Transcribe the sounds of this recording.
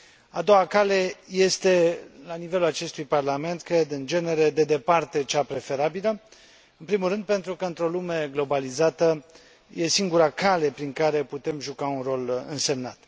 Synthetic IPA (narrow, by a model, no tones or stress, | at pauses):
a̰d̪o̞wakale̞je̞st̪e̞lanive̞lulat͡ʃe̞st̪ujparlame̞nt̪̚kɾed̪ɨnd͡ʒe̞ne̞ɾe̞d̪e̞d̪e̞part̪e̞t͡ʃapɾe̞fe̞ɾabilə | ɨnpɾimulɾɨnd̪̚pe̞nt̪ɾukəɨnt̪ɾo̞lume̞ɡlo̞balizat̪ə | je̞siŋɡuɾakale̞pɾiŋkaɾe̞put̪e̞mʒukaunro̞lɨ̰nse̞mna̰t̪